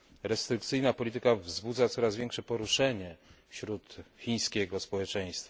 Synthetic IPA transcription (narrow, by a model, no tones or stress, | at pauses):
ɾɛst̪ɾɘkt̪sɘjnapɔlʲit̪ɘkavzbud̪zat̪sɔɾazvʲjɛŋkʂɛpɔɾuʂɛɲɛfɕɾut̪xʲĩj̃skʲɛɡɔspɔwɛt͡ʂɛ̃j̃st̪fa